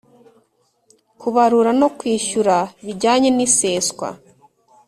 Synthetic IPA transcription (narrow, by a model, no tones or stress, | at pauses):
kuβaɾuɾano̞kwiːʃuɾaβiɾɟaːɲe̞niseːskwa̰